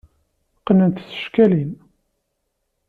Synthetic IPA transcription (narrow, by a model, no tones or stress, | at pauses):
qːənənt̪θə̥ʃkælin